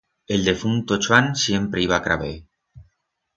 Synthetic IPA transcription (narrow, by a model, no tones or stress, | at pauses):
e̞ld̪e̞funt̪ot͡ʃwansje̞mpɾe̞iβ̞akɾa̰βe